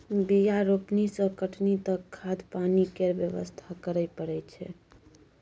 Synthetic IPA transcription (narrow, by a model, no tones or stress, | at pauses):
bijaɾopnisəkəʈʰnit̪əkʰːad̪panikeɾbjəʋə̰st̪ʰakəɾəpəɾɛt͡ʃʰɛ̰